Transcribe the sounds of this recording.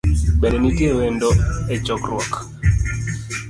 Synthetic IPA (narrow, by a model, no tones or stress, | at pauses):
bɛnenitjewendoet͡ʃɔkrwɔk